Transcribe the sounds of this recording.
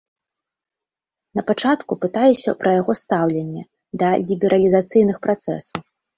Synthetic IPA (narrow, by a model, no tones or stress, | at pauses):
nɐpat͡ʂat̪kupɨt̪ajɛsʲɐ̰pɾɐjaɣɔst̪awlʲɛnʲːɛ | d̪ɐlʲibʲɛɾɐlʲizat̪sɨjnɨxpɾat̪sɛ̰suw